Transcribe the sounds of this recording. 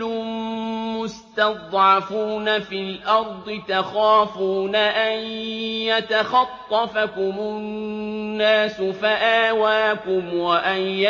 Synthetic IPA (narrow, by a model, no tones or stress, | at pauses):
ʊ | mʊst̪ɑd̪ˤʕɑfuːnafilʔɑɾˤd̪ˤɨt̪axaːfuːnaʔanjat̪axɑt̪ˤːɑfakʊmʊnnːaːsʊfaʔaːwaːkʊmwaʔanja